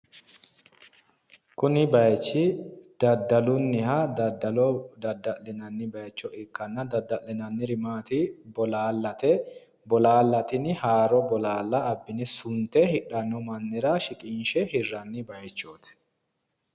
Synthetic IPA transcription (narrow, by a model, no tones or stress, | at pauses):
kʊnɪbɐjt͡ʃːɪd̪̥ɐd̪ːɐlʊnːɪhɐd̪ɐd̪ɐlɔd̪ɐd̪ːɐʔɛnɐnːɪbɐjt͡ʃːɔʔɪkːɐnːɐd̪ɐd̪ːɐʔɛnɐnːɪɾɪmaːt̪ɪbɔlaːlːɐt̪ɛ | bɔlaːlːɐt̪ɪnɪhaːɾɔbɔlaːlːɐːbːɪnɪsʊnt̪ɛhɪᶑɐnːɔmɐnːɛɾɐʃɪkʼɪnʃɛhɪrːɐnːɪbɐjt͡ʃːoːt̪ɪ̥